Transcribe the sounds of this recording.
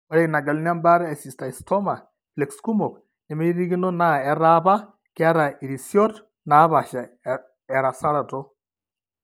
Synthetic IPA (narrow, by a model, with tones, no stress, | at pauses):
o˨ɾe˨na˨ɡa˨lu˦n˦a˦mba˦ɾa˦e˨si˨sta˨i˨stɔ˦ma˨ | fle˨ksku˦mo˨k | e˨meiɾi˦ɣi˦no˦na˦ɛ˨ɾaβa˦ | ki˦a˦ɾa˨i˨ɾi˨sjɔ˦t | na˨˦βa˨ʃa˨ | e˨ɾa˨sa˦ɾa˨to